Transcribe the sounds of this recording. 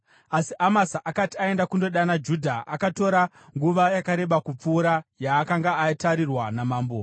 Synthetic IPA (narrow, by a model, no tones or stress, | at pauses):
asiʔamasaʔakatiae̞ndakundo̞ɗanad͡ʒudʱaʔakato̞ɾa | ŋɡuʋajakaɾe̞ɓakup͡fuːɾajaːkaŋɡaːitaɾirwanamaːmbo